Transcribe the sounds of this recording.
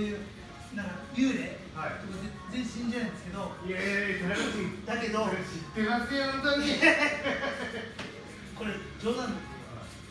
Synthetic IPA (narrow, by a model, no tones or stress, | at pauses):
nãŋkajɯːɾe | hat̪okːe | d͡ze̞çĩɕĩɲd͡ʑaɯ̃nd̪esɨ̥ke̞d̪oekaɾakat̪oit̪ːake̞d̪oɕit̪ːemasɨjõnt̪okʲi | ko̞ɾed͡ʑoːnãnd̪es